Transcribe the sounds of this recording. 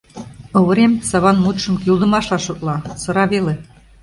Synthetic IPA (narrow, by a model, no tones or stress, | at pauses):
ŏβə̆ɾemsɑβɑnmut̪ʃə̆mkylˠd̪ə̆mɑʃlɑʃot̪lɑsɤ̆ɾɑβele